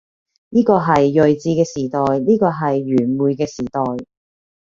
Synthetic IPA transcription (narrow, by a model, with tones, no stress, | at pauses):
niː˥kɔː˧ɦɐ˨jːɵ˨jt͡siː˧kɛː˧siː˨˩t̪ɔː˨jniː˥kɔː˧ɦɐ˨jːyː˨˩nmuː˨jkɛː˧siː˨˩t̪ɔː˨j